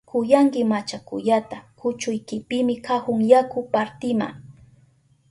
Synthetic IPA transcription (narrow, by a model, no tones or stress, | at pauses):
kʰʊjaŋkɪmat͡ʃakʊ̰ʎat̪akʰʊt͡ʃʊjkɪpɪmɪkahʊŋjakʊpaɾt̪ɪma̰ŋ